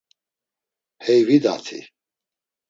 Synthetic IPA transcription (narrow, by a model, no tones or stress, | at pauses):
hɛjvid̪a̰t̪ʰḭ